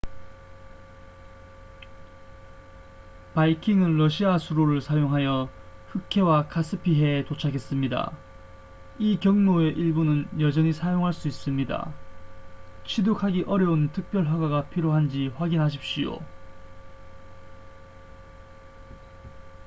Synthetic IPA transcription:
paikʰiŋɯnɾʌɕʰiasʰuɾoɾɯɭsʰajoŋɦajʌɸɯkʰe̞wakʰas͈ʰɯpʰiɦe̞tot͡ɕʰakʰe̞s͈ɯmɲida̰ | ikjʌŋnoe̞ʔiɭbunɯnjʌd͡ʑʌɲisʰajoŋɦaɭs͈uis͈ɯmɲida̰ | t͡ɕʰidokʰaɡiʔʌɾjʌuntʰɯk̚p͈jʌɭɸaɡaɡapʰiɾjoɦand͡ʑiɸwaɡinɦaɕ̬ʰip̚ɕ͈ijo̰

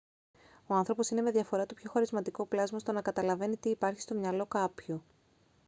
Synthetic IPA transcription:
o̞ɐnθɾo̞po̞sine̞me̞ðʝɐfo̞ɾɐt̪upço̞xɐɾizmɐt̪iko̞plɐzmɐst̪o̞nɐkɐt̪ɐlɐve̞nit̪iːpɐɾçi̥st̪o̞mɲɐlo̞kɐpço

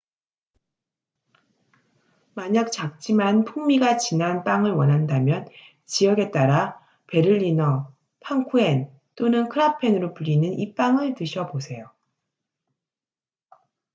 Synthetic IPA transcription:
maɲak̚t͡ɕak̚t͡ɕ͈imanpʰuŋmiɡat͡ɕinanp͈aŋɯɭwʌnɦandamjʌn | t͡ɕijʌɡe̞t͈aɾa | pe̞ɾɯʎːinʌ | pʰaŋkʰue̞n | t͈onɯnkʰɯɾapʰe̞nɯɾopuʎːinɯnip͈aŋɯɭtɯɕʰʌbosʰe̞jo

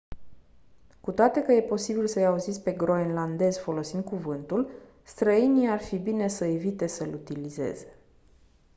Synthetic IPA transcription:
kut̪oat̪e̞kəje̞po̞sibilsəjauzit̪sʲpe̞ɡɾo̞enland̪e̞zfo̞lo̞sind̪̚kuvɨnt̪ul | st̪ɾəiniarfibine̞səe̞vit̪e̞səlut̪ilize̞̰z̥e̞̥

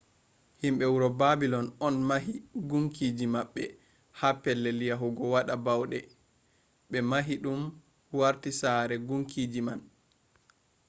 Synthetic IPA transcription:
himɓɛwuɾɔbabilɔnɔnmaɦiɡuŋkiːd͡ʒimaɓːɛ | hapːɛlːɛlijaɦuɡɔwaɗabawɗɛ | ɓɛmaɦiɗum | waɾtisaɾɛɡuŋkiːd͡ʒiman

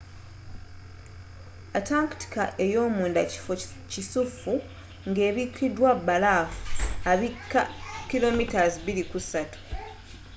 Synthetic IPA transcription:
ataːŋkti̥ka̰ʔe̞jo̞ːmuːndaci̥fo̞ | cisufːu | ŋɡe̞ːβikidwabːalaːfu̥aβikːakilo̞mitaziβiɾikusatu̥

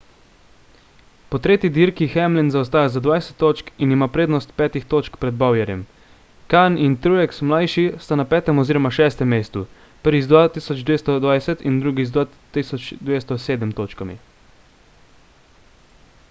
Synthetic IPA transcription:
pɔt̪ɾeːt̪id̪iɾkixɛmlɛnzaɔst̪aːjazad̪ʋajsɛ̥t̪ːoːt͡ʃkinimapɾeːd̪nɔst̪̚pɛːt̪ixt̪oːt͡ʃkpɾɛd̪̚bawjɛɾjɛm | kanint̪ɾujɛksmlajʃist̪anapɛːt̪ɛmɔziːɾɔmaʃɛːst̪ɛmːeːst̪u | pəɾʋizd̪ʋat̪isɔd͡ʒd̪ʋeːst̪ɔd̪ʋajsɛt̪ind̪ɾuɡizd̪ʋa | t̪isɔt͡ʃd̪ʋeːst̪ɔseːd̪ɛmt̪oːt͡ʃkamḭ

